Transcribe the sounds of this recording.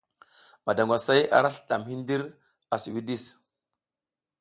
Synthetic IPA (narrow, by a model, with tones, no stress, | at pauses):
ma˨da˨ŋɡʷa˨sa˦ja̰˦ɾa˦ɬɗa̰˨mɦi˦ndi˦ɾ | a˨si˨wi˦di˦˨s